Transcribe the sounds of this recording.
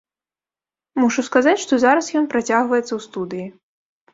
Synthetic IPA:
muʂuskazat͡sʲʂt̪ɔzaɾɐsjɔnpɾat͡sʲaɣvɐjɛt̪sɐwst̪ud̪ɨji

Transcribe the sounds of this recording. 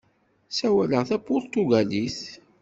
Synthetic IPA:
sæwæləʁθæpːʊɾt̪uɡæliθ

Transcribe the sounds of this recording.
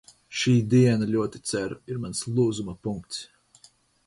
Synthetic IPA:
ʃiːd̪iɛnalʲuɔt̪i̥t̪sæɾiɾmanslˠuːzumapuŋkt̪s

